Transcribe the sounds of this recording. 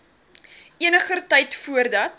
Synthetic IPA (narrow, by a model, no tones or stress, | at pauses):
iənəχərtɛjtfuərdɐt